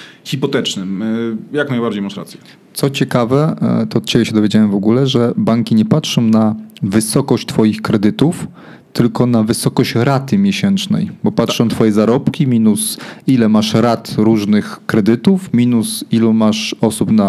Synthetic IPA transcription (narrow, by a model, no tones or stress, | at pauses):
xʲipɔt̪ɛt͡ʂnɘmjaknajbaɾd͡ʑejmaʂɾa̰t̪sʲjɛ̥ | t̪sɔt͡ɕɛkavɛt̪ɔːt̪̚t͡ɕɛbʲɛɕɛd̪ɔvjed͡ʑawɛmvɔɡulɛʐɛbaŋkʲiɲɛpatʂɔ̃w̃navɘsɔkɔɕt͡ɕt̪fɔjixkɾɛd̪ɘt̪uf | t̪ɘlkɔnavɘsɔkɔɕt͡ɕɾat̪ɘmʲjɛɕɛnt͡ʂnɛ̰jbɔpatʂɔ̃t̪fɔjɛzaɾɔpkʲimʲinusilɛmaʂɾat̪ɾuʐnɘxkɾɛd̪ɘt̪ufmʲinusilumaʂɔsupna